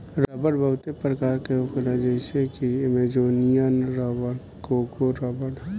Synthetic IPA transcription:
ɾɾɐbəɽbəɦʊt̪epɾəkaːɾkeʊklad͡ʒɛsekimed͡ʒoːnijənɾəbəɽ | kokoɾəbəɽ

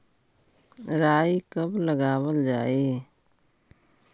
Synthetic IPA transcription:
ɾaːikəbləɡaːwəld͡ʒaːeː

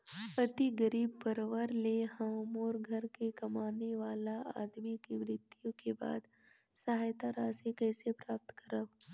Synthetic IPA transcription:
pət̪iɡəɾiːbpəɾʋəɾleɦɐmoːɾɡʱɐɾkekɐmaːneʋaːlaa̰ːd̪mikimɾɪt̪jõkeba̰ːd̪ | sɐɦaːjt̪aɾaːsekɛːsepɾaːp̚t̪kəɾəb

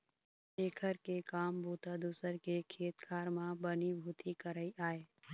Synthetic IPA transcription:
ʃeːkʰəɾkekaːmbʱuːt̪ad̪uːsəɾkekʰeːt̪kʰaːɾmãbənibʱuːt̪ʰikəɾəiʔaːeː

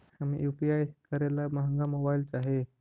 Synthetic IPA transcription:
hamḭjupiajsk̪ʰəɾelaməɦəŋɡamobailt͡saɦe

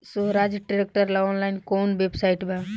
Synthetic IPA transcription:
suɦɾaːd͡ʒʈɾek̚ʈəɾlaɔːnlaɪnkoːnʋebsaɪʈbʱɛ̃

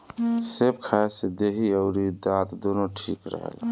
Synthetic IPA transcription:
sebkʰased̪eɦiəʊɾid̪at̪d̪onoʈʰikɾə̰ɦḛl

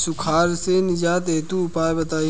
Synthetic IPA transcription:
sʊkʰaːɾsenɪd͡ʒaːt̪eːt̪uʊpaːebɐt̪aːi

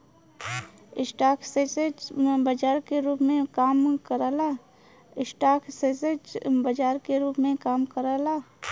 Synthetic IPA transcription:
ɪsʈaːkʰsesed͡ʒbəd͡ʒaːɾkeɾuːpmẽkaːmkəɾəla | ɪsʈaːkʰsesed͡ʒbəd͡ʒaːɾkeɾuːpmẽkaːmkəɾalaː

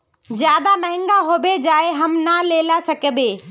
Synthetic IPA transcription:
zjaːd̪amɐɦɪ̃ŋɡaɦoːbed͡ʑaːeɦɐmnaleːlasɐkəbeː

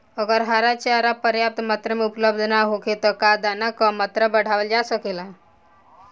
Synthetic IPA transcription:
əɡəɾɦaɾat͡ʃʰeaɾapəɾjap̚t̪mat̪ɾəmeupləbd̪ʱnaɦoket̪ɔkad̪anakɔmət̪ɾəbəɽ̤aʋəld͡ʒasəkela

